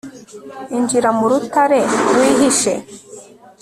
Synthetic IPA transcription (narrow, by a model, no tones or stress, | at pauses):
iɲd͡ʒiɾamuɾutaɾe̞ɾwiːɦiʃe̞̰